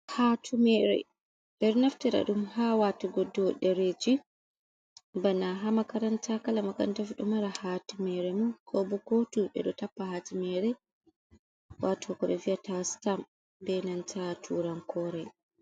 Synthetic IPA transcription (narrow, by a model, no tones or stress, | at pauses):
hatʰumɛɾɛ̰ | ndɛɾnaftɛɾa̰ɗumhawatɔɡodːɔɗɛɾed͡ʒi | banaɦamakaɾantʰakalamaka̰ntafɗumaɾahatumɛɾɛmukʰɔbɔkotuɓɛ̰ɗɔtapːahaːtimɛɾɛ | watʰɔkɔɓɛviatastam | bɛnantʰatʰuːɾaŋkɔɾɛ